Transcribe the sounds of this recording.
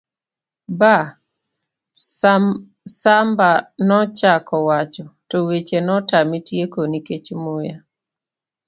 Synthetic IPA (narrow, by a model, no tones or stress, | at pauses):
ba | sambanɔt͡ʃakɔwat͡ʃɔtɔwet͡ʃenɔtamitjekoniket͡ʃmoja